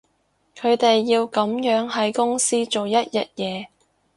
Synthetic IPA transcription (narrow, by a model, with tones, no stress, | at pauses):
kʰɵ˨˧ɥt̪e˨jːiː˧wkɐ˨˥mjœː˨˥ŋɦɐ˨˥jkʊ˥ŋsiː˥t͡so˨wjɐ˥t̚jɐ̰˨t̚jɛː˨˧